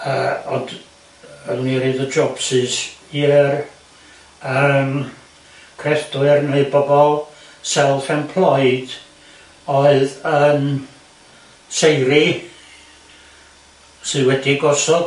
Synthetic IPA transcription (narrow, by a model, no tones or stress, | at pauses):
əːɔnd | əmniɾɨðəd͡ʒɔb̥sɨsiːr | əm | kʰrɛfd̥ɨrneɨbɔbɔlˠ | sɛlˠθɛmpʰl̥ˠɔɨjd̥ | ɔɨðəm | sejɾi | sɨwɛdiɡɔsɔd̥